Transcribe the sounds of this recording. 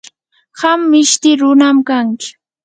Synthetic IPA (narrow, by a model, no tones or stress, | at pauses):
hamːɪʃt̪ɪɾʊnamkaŋkɪ̥